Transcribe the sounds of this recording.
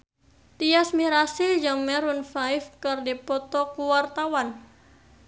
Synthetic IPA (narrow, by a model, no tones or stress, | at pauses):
t̪iasmiɾasild͡ʒɨŋmɛɾunfaifkɨrdipɔt̪ɔkuwart̪awan